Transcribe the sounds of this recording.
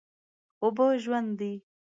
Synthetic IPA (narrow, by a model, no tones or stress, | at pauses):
ʊboʒwand̪d̪i